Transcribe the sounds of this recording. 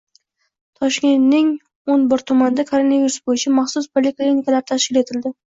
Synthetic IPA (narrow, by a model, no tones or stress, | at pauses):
t̪ʰɒʃkʲe̞nt̪nɪŋ | onbɪɾt̪ʰʊmanɪd̪akʰo̞ɾo̞naviɾʊsbojɪt͡ʃʰamɑχsʊspʰolʲiklinikalaɾɪt̪ʰaʃkʲɪle̞t̪ʰɪld̪ɪ